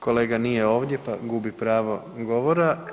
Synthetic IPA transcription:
ko̞le̞ːɡanijeo̞ːʋd̪ʲje̞paɡuːbipɾaːʋo̞ | ɡo̞ʋoɾa

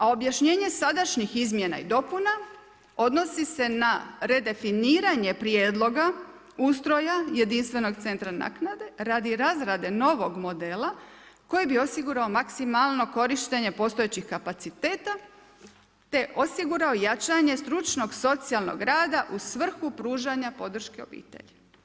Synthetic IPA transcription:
ao̞bjaʃɲe̞ːɲe̞sad̪aʃɲixizmʲje̞na̰ḭd̪o̞puna | o̞d̪no̞sise̞naɾe̞d̪e̞finiːɾaɲe̞pɾje̞ːd̪lˠo̞ɡa | uːst̪ɾo̞jaje̞d̪inst̪ʋe̞no̞ɡt̪se̞nt̪ɾana̰ːknad̪e̞ɾad̪iɾazɾad̪e̞no̞ʋo̞ɡmo̞d̪e̞ːla | ko̞jibio̞siɡuɾaomaksimalˠno̞ko̞ɾiʃt̪e̞ɲe̞po̞ːst̪oet͡ɕixkapat̪sit̪eːt̪a | t̪e̞ʔo̞siɡuɾaojat͡ʃaɲe̞st̪ɾut͡ʃno̞ɡso̞t̪sialˠno̰ɡɾaːd̪aʔusʋr̩xupɾuːʒaɲapo̞d̪r̩ʃke̞o̞̰bḭːt̪ḛʎi

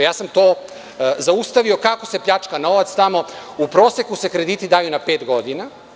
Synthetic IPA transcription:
jaːsamt̪o̞ː | zaust̪aʋio̞kako̞se̞pʎat͡ʂkano̞ʋat̪st̪amo̞ | upɾo̞ːse̞kuse̞kɾe̞d̪iːt̪id̪aːjunape̞ːt̪ɡo̞d̪ina

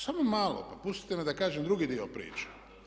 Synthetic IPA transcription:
samomaːlo̰papust̪i̥t̪emed̪akaːʒemd̪ɾuɡid̪iopɾḭːt͡ʃe̥

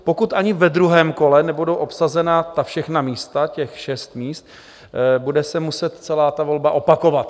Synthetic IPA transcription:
po̞kut̪ʔaɲɪvɛd̪ɾuɦɛːmko̞lɛnɛbudowʔo̞psazɛnat̪afʃɛxnamiːst̪acɛxʃɛst̪miːst̪̚ | budɛsɛmusɛt̪t͡sɛlaːt̪avo̞lbaʔo̞pako̞vat̪

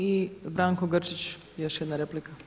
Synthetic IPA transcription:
ibɾaːŋkoɡərt͡ʃit͡ɕ | joʃjɛd̪naɾeplika

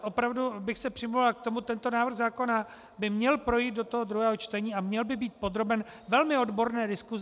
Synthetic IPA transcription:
ʔo̞pɾavdubɪxsɛpr̥ɪmluvalak̚t̪o̞mut̪ɛnt̪o̞naːvr̩ɣzaːko̞na | bɪmɲɛlpɾo̞jiːt̪̚do̞t̪oɦod̪ɾuɦɛːɦot͡ʃt̪ɛɲiːamɲɛlbɪbiːt̪̚po̞d̪ɾo̞bɛnvɛlmɪo̞dbo̞ɾnɛːdɪsku

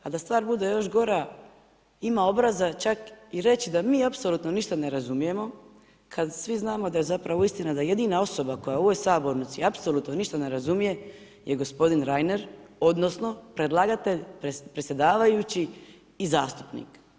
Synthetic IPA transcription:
ad̪ast̪ʋaːɾbud̪ejo̞ʃɡo̞ɾa | imao̞bɾazat͡ʃakiɾe̞t͡ɕid̪amiːapsolˠuːt̪no̞niʃt̪ane̞ɾazumije̞mo̞ | kʰad̪sʋiznaːmo̞d̪aje̞zapɾaʋoist̪inad̪aje̞d̪iːnao̞so̞bako̞jaoʋojsaːbo̞ɾnit̪siapsolut̪no̞niʃt̪ane̞ɾazumije̞ | je̞ɡo̞spo̞d̪inɾajne̞ɾo̞d̪no̞sno̞pɾe̞d̪lˠaɡat̪e̞ʎpepɾesʲje̞d̪aːʋajut͡ɕiː | zaːst̪u̥pnḭk

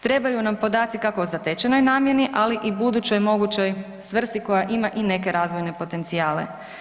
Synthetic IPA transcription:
t̪ɾe̞bajunampo̞d̪aːt̪sikakoozat̪et͡ɕeno̞jnaːmjeniʔaliʔibud̪ut͡ɕo̞jmo̞ɡut͡ɕo̞j | sʋr̩st̪iko̞jaʔimaʔine̞ke̞ɾaːzʋo̞jne̞po̞t̪e̞nt̪siaːle̞̰

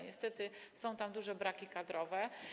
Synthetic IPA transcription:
ɲɛst̪ɛt̪ɘsɔ̃w̃t̪amd̪uʐɛbɾakʲikad̪ɾɔvɛ

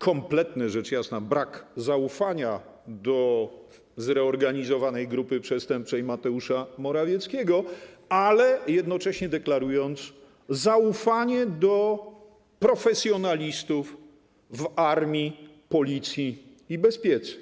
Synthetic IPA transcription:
kʰɔmplɛt̪nɛʐɛt͡ʂjasnabɾakzaufaɲa | d̪ɔ | zɾɛɔɾɡaɲizɔvanɛjɡɾupɘpʂɛst̪ɛmp̚t͡ʂɛjmat̪ɛuʂamɔɾavʲjɛt̪skʲɛɡɔalɛjɛd̪nɔt͡ʂɛɕɲɛd̪ɛklaɾujɔnt̪s | zaufaɲɛd̪ɔ | pɾɔfɛsʲjɔnalʲist̪uf | vaɾmʲji | pɔlʲit̪sʲjiː | bɛspʲjɛt̪sɛ̥

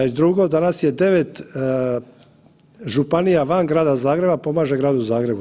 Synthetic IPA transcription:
id̪ɾuɡod̪anasje̞d̪e̞ʋe̞t̪ | ʒupanijaʋanɡɾaːd̪azaːɡɾe̞bapo̞maːʒe̞ɡɾaːd̪uzaːɡɾe̞bu

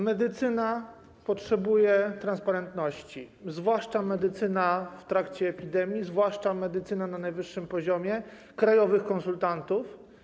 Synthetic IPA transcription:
mɛd̪ɘt̪sɘna | pɔtʂɛbujɛt̪ɾanspaɾɛnt̪nɔɕt͡ɕizvwaʂt͡ʂamɛd̪ɘt̪sɘnaft̪ɾakt͡ɕɛːpʲid̪ɛmʲjizvwaʂt͡ʂamɛd̪ɘt̪sɘnananajvɘʂːɘmpɔʑɔmʲjɛ | kɾajɔvɘxkɔnsult̪ant̪uf

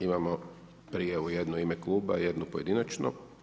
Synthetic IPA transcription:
imamo | pɾijeujed̪nuimeklˠuːba̰je̞d̪nupoje̞d̪inat͡ʃno̰

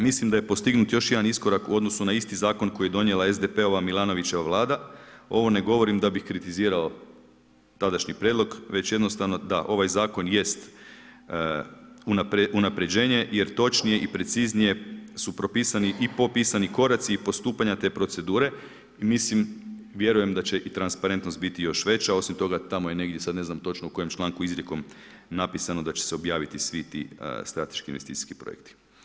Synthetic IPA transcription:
mislimd̪aje̞po̞st̪iɡnut̪jo̞ʃjed̪anisko̞ɾakuo̞d̪nosunaist̪izaːko̞nko̞ijed̪o̞njelˠae̞zd̪epe̞o̞ʋamilˠano̞ʋit͡ɕe̞ʋaʋlˠaːd̪ao̞ʋo̞ne̞ɡo̞ʋo̞ɾimd̪abixkɾit̪iziːɾao̞ | t̪ad̪aʃɲipɾʲjed̪lˠo̞ɡʋe̞t͡ɕje̞d̪no̞st̪aʋno̞d̪a̰ʔo̞ʋajzaːko̞nje̞st̪ | unapɾeunapɾe̞d͡ʑe̞ːɲe̞je̞ɾt̪o̞t͡ʃnije̞ʔipɾe̞t̪siznije̞supɾo̞piːsaniʔipo̞pisaniko̞ɾat̪siipo̞st̪uːpaɲat̪e̞ːpɾo̞t̪se̞d̪uːɾe̞ | imislim | ʋje̞ɾuje̞md̪at͡ɕe̞ʔit̪ɾanspaɾent̪nost̪bit̪ijo̞ʃʋe̞t͡ɕao̞simt̪o̞ɡat̪amojene̞ɡd̪je̞sad̪ne̞znamt̪o̞t͡ʃnouko̞jemt͡ʃlˠaːŋkuizɾʲjeko̞m | napisano̞d̪at͡ɕe̥seo̞bjaːʋit̪isʋit̪ḭst̪ɾat̪eʃkinʋest̪ḭːt̪i̥ski̥pɾo̰jek̚t̪i̥

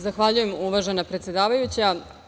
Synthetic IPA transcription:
zaxʋaʎuje̞muʋaʒenapɾet̪sje̞d̪aːʋajut͡ɕea

